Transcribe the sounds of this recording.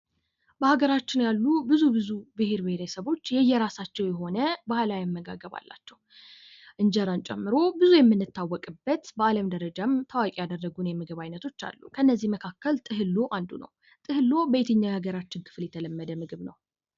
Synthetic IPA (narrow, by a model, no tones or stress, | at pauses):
bəhaɡəɾat͡ʃːɪnjalːubɨzubɨzubɨheɾbɨheɾɛsəβo̞t͡ʃːjɛjːɛɾasat͡ʃːɛwjɛɦo̞nəbahlajɛmːəɡa̰ɡəβa̰lːa̰t͡ʃːɛw | ʔɨnd͡ʒəɾant͡ʃʼɛ̰mːɨɾo̞bɨzujɛmːɨnːɨt̪ːawːɔkʼɨbːət̪bəaləmd̪əɾəd͡ʒamt̪ʰawakʼijad̪ərːəɡunjɛmɨɡɨβajnət̪ʰo̞t͡ʃːa̰lːukʰəɨnːəzːihməkʰakːəlt̪ʼɨɦɨlːo̞ʔand̪unə̰w | t̪ʼɨhɨlːo̞bəjet̪ʰəɲːajhaɡəɾat͡ʃːɪnkʰɨ̥fljɛt̪ʰələmːəd̪əmɨɡɨβnəw